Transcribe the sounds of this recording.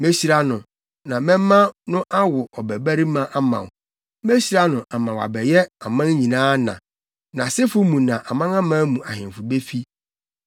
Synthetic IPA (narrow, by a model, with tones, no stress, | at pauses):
mẽ˦ɕi˦ɾa˦nʊ̃˨ | nã˨mɛ̃˦m˦mã˦nʊ̃˦ʔa˦wʊ˨ʔɔ˨bæ˨bæ˦ɾi˦mã˦ʔa˦mã̰˨w | mẽ˦ɕi˦ɾa˦nʊ̃˨ʔa˨mã˨wa̰˨bɛ˨jɛ˦a˨mã˦n˦ɲĩ˨nãː˦nã̰˨ | nã˨sɪ˦fʊ˦mũ˨nã˨ʔa˨mã˦ŋã˦mã˦mũ˨a˨hɪ̃˨fʊ˨be˦fi˦